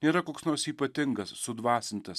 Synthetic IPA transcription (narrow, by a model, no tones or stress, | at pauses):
nʲeːɾɐkoːksnoːɾsiːpɐt̪ʲɪŋɡɐsːʊd̪ʋɑːsʲɪnʲt̪ʲɪs